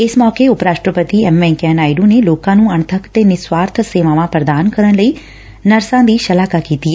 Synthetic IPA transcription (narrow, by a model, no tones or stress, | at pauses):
ɪsmɔːkeʊpɾaːʃʈɾəpət̪iːɛːmɛ̃ːkɛːnaːɪɖũːneloːkãːnũːəɳ̃t̪ʰəkt̪eːnɪswaːɾt̪ʰseːʋãːʋãpɾəd̪aːnkəɾəɳləiː | nəɾsãːd̪iːʃəlaːkakiːt̪i